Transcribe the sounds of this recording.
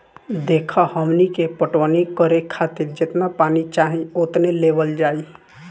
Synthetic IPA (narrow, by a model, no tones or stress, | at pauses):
d̪ekʰahəmnikepəʈʋənikəɾekʰat̪iɾd͡ʒet̪mãpaːnit͡ʃaɦĩot̪nelebəld͡ʒaːi